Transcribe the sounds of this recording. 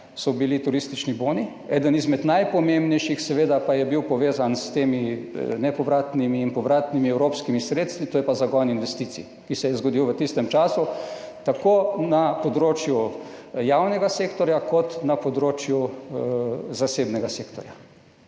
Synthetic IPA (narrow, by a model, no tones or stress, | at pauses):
sɔbilit̪uɾist̪it͡ʃniboːni | ɛ̰ːd̪ənizmɛt̪najpɔmembnɛjʃixsɛʋeːd̪apajɛbiwpɔʋeːzanst̪eːminɛpɔʋɾaːt̪nimiːnpɔʋɾaːt̪nimiɛwɾopskimisɾet̪st̪ʋit̪oːjɛpazaɡɔjninʋɛst̪iːt̪sḭ | kisɛjɛzɡɔd̪iwʋət̪ist̪ɛmt͡ʃaːsu | t̪akonapɔd̪ɾoːt͡ʃju | jaːwnɛɡaseːkt̪ɔɾjakɔt̪napɔd̪ɾoːt͡ʃju | zaseːbnɛɡasekt̪ɔɾja